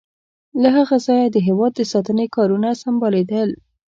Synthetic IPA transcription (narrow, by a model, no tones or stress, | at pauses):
laɦaɣazɑjad̪əɦewɑd̪ːəsɑt̪ənekɑɾunasambɑled̪əl